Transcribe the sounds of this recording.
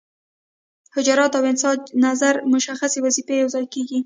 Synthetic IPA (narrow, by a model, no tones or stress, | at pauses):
hɪd͡ʒɑɾɑt̪awɪnsɑd͡ʒnazaɾmʊʃaxasewazifejawzɑjkeɡi